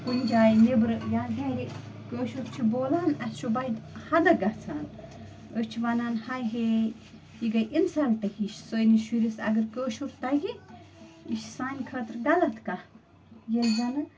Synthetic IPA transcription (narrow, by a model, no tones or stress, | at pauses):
kund͡ʒaːjnibɾjanɦeɾi | koːʃuɾt͡ʃʰiboːlaːnɐst͡ʃʰubɐjd̪hɐd̪ɐɡɐt͡sʰaːn | ət͡ʃʰiʋɐnanhɐjɦe | jiɡɐjʔinsɐlʈɐhiʃsojniʃiɾisɐ̰ɡɐɾkəːʃuɾt̪ɐɡi | iʃsaːnʲkʰɐːt̪ɾɡɐlɐt̪ʰkɐ | jezɐnɨ